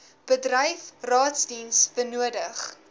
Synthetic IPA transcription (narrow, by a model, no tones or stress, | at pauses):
b̥ədrəjfrɑːtsdinsb̥ənuədəχ